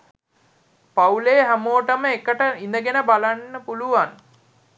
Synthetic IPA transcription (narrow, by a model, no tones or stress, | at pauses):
pauleːɦæmoːʈəməekəʈəinəɡenəbalanːəpuluʋan